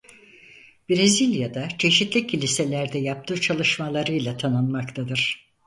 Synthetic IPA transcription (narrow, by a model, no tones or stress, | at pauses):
bɾezilʲjad̪at͡ʃʰe̞ʃit̪ʰlʲicʲʰːilʲise̞lʲæɾd̪ɛjap̚t̪ʰɯːt͡ʃʰalˠɯʃmalˠaɾɯjlˠat̪ʰanɯnmakt̪ʰad̪ɯɾ̥